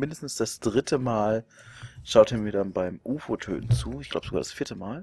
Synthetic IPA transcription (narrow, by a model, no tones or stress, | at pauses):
mɪndəstn̩sd̥asd̥ʁɪtʰəmaːlʃaʊtʰəmiːɐdanbaɪmʔuːfotʰø̰ːtn̩t͡suːɪçɡ̥laʊbəzoɡaːd̥asfiːɐtəmaːl